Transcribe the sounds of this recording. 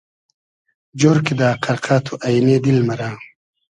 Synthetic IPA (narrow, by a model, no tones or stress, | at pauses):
d͡ʑoɾkid̪aːqʰɐɾqʰaːt̪ʰuʔajned̪ilmɐɾaː